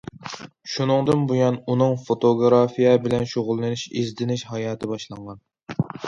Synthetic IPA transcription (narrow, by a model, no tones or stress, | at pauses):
ʃunɨŋd̪ɨnbujɑnunɨŋfot̪ʰoɡɾɑfijɛbɪlɛnʃoʁʊlˠːɨnɪʃezd̪ɪnɪʃhɑjɑːt̪ʰɪbɑʃlˠɑɴʁɑn